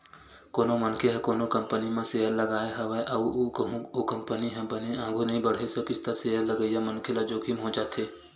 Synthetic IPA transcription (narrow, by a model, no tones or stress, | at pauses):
koːnomɐnkʰeɦɛkoːnokɐ̃mpənimẽseːəɾlɐɡaːeɦɐʋɛʔɐoɦũokɐ̃mpəniɦɛ̃bəneãːŋɡʱonɐɦĩbəɽ̤esekɪst̪aseɦəɾlɐɡəijamɐnkʰelad͡ʒoːkʰimɦod͡ʒaːt̪eː